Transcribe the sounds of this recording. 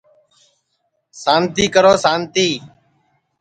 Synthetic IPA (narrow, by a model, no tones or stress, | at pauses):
saːnt̪iːkəɾoːsaːnt̪iː